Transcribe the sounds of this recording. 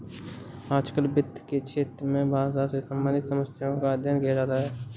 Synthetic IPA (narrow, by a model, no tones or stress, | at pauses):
aːd͡ʒkəlbɪd̪ʱket͡ʃʰeːt̪ɾəmẽbʱãːsasesəmbãːnɪt̪səməsjaõkad̪ʱjənɡʱeːd͡ʒaːt̪aɦɛː